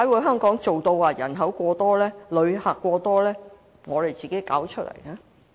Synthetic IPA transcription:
a˨˥wuː˨˧jɦœː˥ŋkɔː˨˥ŋt͡so˨wt̪o˧waː˧jɐ˨˩nɦɐ˨˥wkʷɔː˧t̪ɔː˥lɛː˥lɵ˨˧ɥhaː˨˩kːʷɔː˧t̪ɔː˥lɛː˥ | ŋɔː˨˧le˨jt͡siː˨ke˨˥jka̰ː˨˥wt͡ʃʰɵ˥t̚lɐ̰˨˩jlaː˥

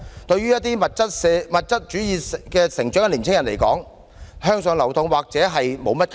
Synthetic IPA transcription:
t̪ɵ˧ɥyː˥jɐ˥t̚t̪iː˥mɐ˨t̚t͡sɐ˥t̚sɛ˧mɐ˨t̚t͡sɐ˥t̚t͡ʃyː˨˥jiː˨˧kɛː˧sɪ˨˩ŋt͡ʃœː˨˥ŋkɛ˧liː˨˩nt͡sʰɪ˥ŋjɐ˨˩nle˨˩jkɔ̰ː˨˥ŋ | ɦœː˥ŋsœː˨˧ŋlɐ˨˩wt̪ʊ˨˧ŋwaː˨k̚t͡sɛː˨˥ɦɐ˨jmo˨˧wmɐ˥t̚kʰ

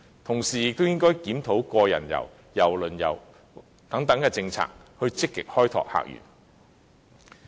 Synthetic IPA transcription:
t̪ʰʊ˨˩ŋsiː˨˩jɪ˨k̚t̪o˥wjɪ˥ŋkɔː˥jkiː˨˥mt̪ʰo˨˥wkɔː˧jɐ̰˨˩njɐ̰˨˩w | jɐ˨˩wlɵ˨˩njɐ̰˨˩w | t̪ɐ˨˥ŋt̪ɐ˨˥ŋkɛː˧t͡sɪ˧ŋt͡sʰa̰ː˧k̚hɵ˧ɥt͡sɪ˥kːɪ̰˨k̚hɔː˥jt̪ʰɔ̰ː˨k̚ha̰ː˨k̚jy̰ː˨˩n

